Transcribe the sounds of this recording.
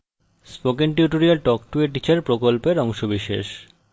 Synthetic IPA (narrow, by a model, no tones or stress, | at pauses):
spokenʈjuʈoɾialʈɔkʈueʈit͡ɕaɾpɾokolpeɾɔŋʃobiʃḛʃ